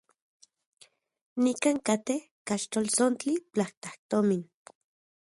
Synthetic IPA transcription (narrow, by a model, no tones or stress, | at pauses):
nikaːŋkat̪eh | kaʃt̪olsont͡ɬipt͡ɬaht̪ḁht̪omin